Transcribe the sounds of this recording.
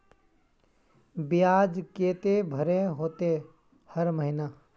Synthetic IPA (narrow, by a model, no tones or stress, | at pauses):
bɪjaːd͡ʒkeːt̪ebʱəɾeɦoːt̪e | həɾməɦɪnaː